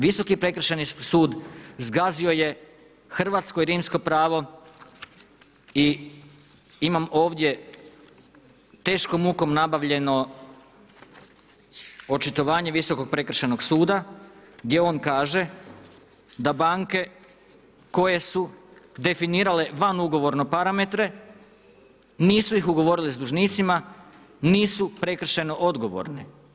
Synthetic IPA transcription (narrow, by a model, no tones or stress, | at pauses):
ʋiso̞kipɾe̞kr̩ʃenisuːd̪zɡazio̞je̞ | xr̩ʋat̪sko̞iɾiːmsko̞pɾaːʋo̞ | i | imamo̞ːʋd̪je̞ | t̪e̞ːʃko̞muko̞mnabaʋʎe̞no̞ | o̞t͡ʃit̪o̞ʋaːɲe̞ʋiso̞ko̞ɡ̚pɾe̞kɾ̩ʃeno̞ɡsuːd̪aɡd̪je̞o̞ːnkaːʒe̞ | d̪abaːŋke̞ | ko̞je̞sud̪e̞finiːɾale̞ʋanuɡo̞ʋo̞ɾno̞paɾame̞t̪ɾe̞ | niːsuixuɡo̞ʋo̞ɾilizd̪uʒniːt̪sima | niːsupɾe̞kr̩ʃe̞no̞ʔod̪ɡo̞ʋo̰ɾne